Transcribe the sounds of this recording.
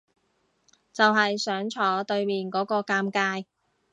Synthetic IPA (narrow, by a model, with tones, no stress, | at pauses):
t͡sɐ˨wɦɐ˨jsœː˨˥ŋt͡ʃʰɔː˨˥t̪ɵ˧ɥmiː˨nkɔː˨˥kɔː˧kaː˧mkaː˧j